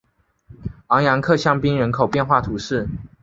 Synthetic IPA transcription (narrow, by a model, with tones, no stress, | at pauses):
ɑ˧˥ŋjɑ˧˥ŋkʰɤ˥˨ɕjɑ˥˧ŋpi˥ŋɻə˧˥nkʰo˨˩ʊpjɛ˥˧nxwa˥˩t̪ʰu˨˥ʂɻ̩˥˩